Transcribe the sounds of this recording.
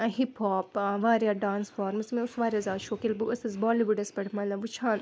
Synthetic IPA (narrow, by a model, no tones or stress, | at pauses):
ɦiphɔːpʋaːɾjaːɖaːnsfɔːɾmsmẽʊsʋaːɾʲjaːzaːd̪ʃoːkilbuʔɐsɐzbɔːliʋuɖɐspɐɽmɐnlɐʋut͡ʃʰãːn